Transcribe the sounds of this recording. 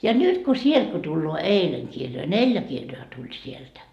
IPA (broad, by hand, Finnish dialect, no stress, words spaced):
jɑ nyt ko sield̥ ko tulːoː eileŋ kirjoi nelʲjæ kirjoɑ tulʲ sieltæ